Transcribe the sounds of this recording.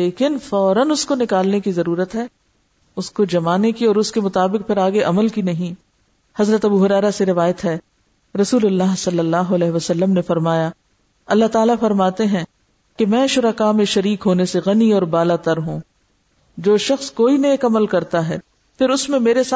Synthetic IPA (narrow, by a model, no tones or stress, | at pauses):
leːkɪnfɔːɾənʊskonɪkaːlnekizɐɾuːɾət̪ɦɛː | ʊskod͡ʒɐmaːnekiɔːɾʊskemʊt̪aːbɪq̚pʰɪɾaːɡeʔɐməlkinɐɦĩ | hɐzɾət̪ɐbuɦʊɾɛːɾaseɾɪʋaːjət̪ɦɛ | ɾɐsuːlʊlːaːɦsɐlːəlːaːɦoɐlɛːɦʋɐsɐlːəmnefɐɾmaːja | ɐlːaɦt̪aːlafɐɾmaːt̪eɦɛ̃ | kemɛ̃ːʃʊɾəkamẽʃɐɾiːkɦoːneseɣɐniɔːɾbaːlat̪ɐɾɦũː | d͡ʒoːʃɐxskoːineːkɐməlkɐɾt̪aɦɛː | pʰɪɾʊsmẽmeːɾesa